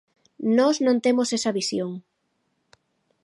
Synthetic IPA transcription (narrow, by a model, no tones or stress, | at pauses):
nɔznõnt̪emosesɐβisjoŋ